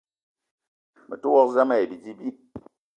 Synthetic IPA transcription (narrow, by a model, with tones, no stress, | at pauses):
mə˨tu˦wɔ˦kza˦ma˦je˨bi˨d͡ʒi˦bi˦